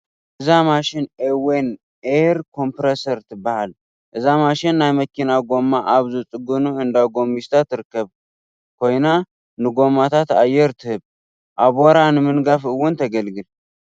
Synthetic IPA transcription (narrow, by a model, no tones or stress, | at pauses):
ʔʔɨzamaʃɪnewen | eɾkʰo̞mpɾesəɾt̪ɨbaal | ʔɨzamaʃɪnːajməkːinaɡo̞mːaʔaβzusʼɨɡunuɨnd̪aɡo̞mːist̪ʰat̪ɨɾkːəβ | kojna | nɨɡo̞mat̪ʰat̪ajɛɾt̪ʰɨhɨβ | ʔaβoɾanmɨnɡafɨwːʊnt̪ʰəɡəlɡɨl